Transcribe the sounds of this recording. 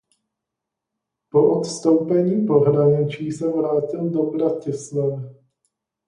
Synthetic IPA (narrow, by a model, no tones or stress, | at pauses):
poʔot̪st̪owpɛɲiːpo̞ɦɾaɲɪt͡ʃiːsɛvɾaːcɪldobɾacɪslanɪ